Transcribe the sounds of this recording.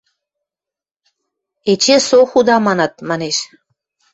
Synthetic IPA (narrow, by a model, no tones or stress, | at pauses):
et͡ɕesoxud̪ɑmɑnɑt̪̚mɑneʃ